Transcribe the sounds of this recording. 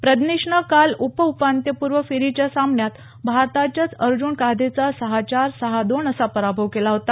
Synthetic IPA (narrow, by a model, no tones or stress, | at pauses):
pɾəd̪niʂɳəkalupəupant̪jəpuɾʋəfiɾit͡ɕjasamɳjat̪ | bʱaɾt̪at͡ɕjat͡səɾd͡ʑuːɳkad̪ʱet͡sasəɦat͡ɕaɾsəɦad̪oɳəsapəɾabʱəʋkelaɦot̪a